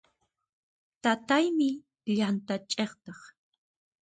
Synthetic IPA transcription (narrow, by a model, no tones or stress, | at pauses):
t̪at̪ajmɪ | ʎant̪at͡ʃʼeχt̪ɑχ